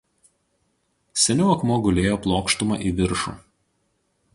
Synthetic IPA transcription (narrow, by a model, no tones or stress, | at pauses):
sʲɛnʲuːɐkmuːɡʊlʲeːjoːplˠoːkʃt̪ʊmɑ̰ːˑʔiʋʲɪɾʃṵː